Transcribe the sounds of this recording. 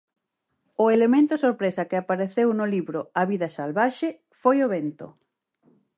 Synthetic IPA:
ʊelemẽnt̪ʊsoɾpɾesɐkɪapaɾeθewnʊliβɾʊaβiðɐsalβaʃe | fojoβent̪o̰

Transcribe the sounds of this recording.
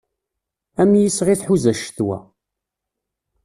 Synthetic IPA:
æmjəsʁiθħuzæʃə̥θwæ̰

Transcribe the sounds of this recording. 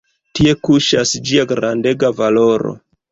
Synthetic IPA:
tie̞kuʃasd͡ʒiaɡɾande̞ɡavalo̞ɾo̞̰

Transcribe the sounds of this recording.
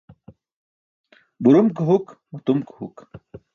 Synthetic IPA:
buɾumkɦukmɐt̪umkhṵk

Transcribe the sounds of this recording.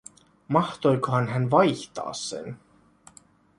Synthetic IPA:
mɑht̪o̞jkoɦɑnɦænʋɑjçt̪ɑ̰ːsːḛn

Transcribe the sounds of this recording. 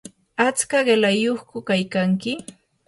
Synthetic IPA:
at͡skaɢelajoχkʊkajkaŋkɪ

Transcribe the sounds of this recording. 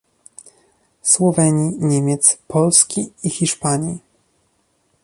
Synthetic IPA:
swɔvɛɲiɲɛmʲjɛt̪spʰɔlskʲiixʲiʂpaɲi

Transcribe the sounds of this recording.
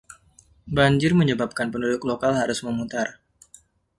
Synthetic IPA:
baɲd͡ʒɪrməɲəbap̚kanpənudʊklokalhaɾʊsməmut̪ar

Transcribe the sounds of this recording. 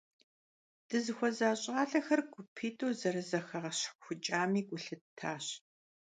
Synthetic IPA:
d̥ɨzɨxʷɔzaːɕʼaːɮɐxɐrɡʷʊpʰiːtʼowzɐɾɨzɐxɐʁɐɕxʷʊt͡ʃʼaːmiːɡʷʊɬɨtʰaːɕ

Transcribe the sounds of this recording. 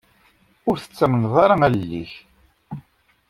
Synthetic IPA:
ʊɾθə̥t͡sːæmənðˤɑɾɑællːḭç

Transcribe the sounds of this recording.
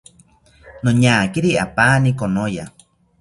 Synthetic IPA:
noɲaːkiɾia̰paːnikonoja

